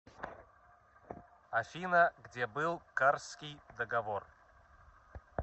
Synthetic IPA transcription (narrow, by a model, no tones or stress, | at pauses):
ɐfʲinəɡdʲebɨlˠkarskʲijd̪əɡɐvor